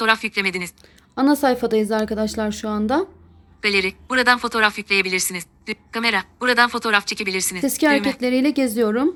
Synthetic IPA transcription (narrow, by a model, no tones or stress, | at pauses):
oɾafjyclʲemed̪iniz̥ | anasajfad̪ajɯzaɾkad̪aʃlˠaɾʃuand̪a | kalʲeɾib̥uɾad̪anfo̞t̪ʰo̞ɾafjyclʲe̞jebilʲiɾsiniz̥ | kʰame̞ɾab̥uɾad̪anfo̞t̪ʰo̞ːɾaft͡ʃʰe̞cʰʲe̞bilʲiɾsinizescʰiaɾecʰɛt̪lʲe̞ɾijlʲɛɟe̞zijo̞ɾum